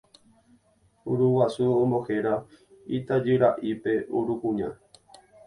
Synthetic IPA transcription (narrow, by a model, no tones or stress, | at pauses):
uɾuwasuõmbo̞heɾa | it̪ad͡ʒɨɾaʔipe̞uɾukũɲã̰